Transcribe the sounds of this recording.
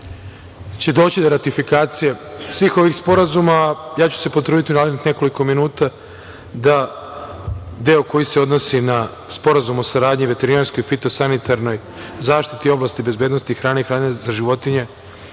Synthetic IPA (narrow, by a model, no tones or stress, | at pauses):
t͡ɕe̞d̪o̞ːt͡ɕid̪o̞ɾat̪ifikaːt̪sije̞sʋiːxo̞ʋixspo̞ɾazumaːjaːt͡ɕu̥se̞pot̪ɾuːd̪it̪iunaːled̪nixne̞ko̞liko̞minuːt̪a | d̪a | d̪eːoko̞jise̞o̞d̪no̞sina | spo̞ɾazumo̞saɾaːd̪ɲiʋe̞t̪e̞ɾinaɾsko̞jfit̪o̞sanit̪ʰaɾno̞j | zaːʃt̪it̪io̞blˠast̪ibe̞zbe̞ːd̪nost̪ixɾaːneixɾaːd̪ɲazaʒiʋo̞t̪iɲe̞